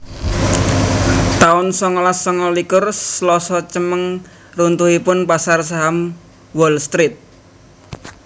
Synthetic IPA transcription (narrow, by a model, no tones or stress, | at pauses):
t̪aʊnsɔŋɔlasɔŋɔlikʊrslɔsɔt͡ʃəməŋ | runt̪uɦipʊnpasars̬aɦam | wɔlst̪ɾit̪̚